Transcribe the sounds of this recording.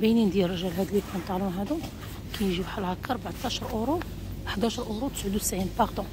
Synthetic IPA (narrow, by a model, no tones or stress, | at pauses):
binind̪jæɾˤɑʒælɦæd̪əlikænt̪ˤːɑlunɦæd̪u | kæjʒibħalhɑkːɑɾˤbaʕt̪ːɑʃəɾˤʔoɾu | ʔəħd̪æʃəɾˤʔʊɾut̪ə̥sʕəd̪usʕinbɑʁd̪ũ